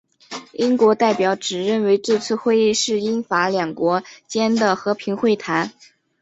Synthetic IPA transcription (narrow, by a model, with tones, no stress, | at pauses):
i˥ŋkwɔ˧˥t̪a˥˩ɪpjɑ˧˥ʊʈ͡ʂɻ̩˨˩ɻə˥˩nwe˧˥ɪʈ͡ʂɤ˥˧t͡sʰɹ̩˥˧xwe˥˧ɪi˥˧ʂɻ̩˥˩i˥nfa˧˥ljɑ˨˩ŋkwɔ˧˥t͡ɕjɛ˥nd̪ə˨xɤ˧˥pʰi˧˥ŋxwe˥˩ɪt̪ʰa˧˥n